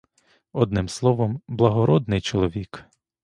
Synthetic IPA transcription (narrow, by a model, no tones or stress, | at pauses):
ɔd̪nɪmslˠɔʋɔmblˠɐɦɔɾɔd̪nɪjt͡ʃɔlˠɔʋʲik